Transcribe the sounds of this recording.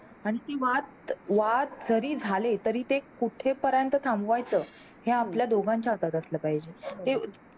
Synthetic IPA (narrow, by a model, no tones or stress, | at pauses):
aɽ̃it̪eʋat̪̚ʋat̪̚d͡zəɾiːd͡zʱalet̪əɾiːt̪ekuʈʰepəɾjant̪ət̪ʰambʋajt͡səː | heapljad̪oɡʱaɲt͡ɕjaət̪at̪əsləpaɦid͡ʑet̪e